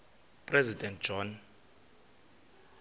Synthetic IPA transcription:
pʼrɛzidʱʼɛnt̚d͡ʒ̥ɔn

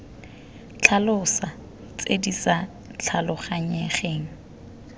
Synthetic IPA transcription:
t͡ɬʰalʊsa | t͡sʼedit͡sa | t͡ɬʰalʊχaɲɛχeːŋ̩

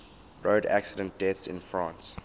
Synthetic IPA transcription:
ɹoːdæ̰ksɪdə̃nt̚d̥ɛθsɪ̰̃nfɹãːns

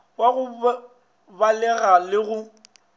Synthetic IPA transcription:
waɣʊ | balɛɣalɪɣʊ

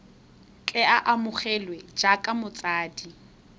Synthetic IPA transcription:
kʼɛaʔamʊχɛlwɛd͡ʒakʼamʊt͡sʼaːdi

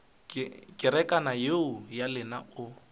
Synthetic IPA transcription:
kʼɪɾɛkʼanajeʊjalɪnaʊ

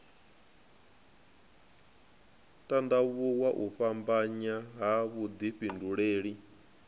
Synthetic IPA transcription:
tʼandaβuwaʔuɸambaɲaɦaβud̪iɸinduɺeːɺi

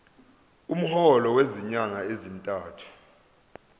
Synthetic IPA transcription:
um̩hɔlɔweziɲaŋaezintʼaːtʰu̥

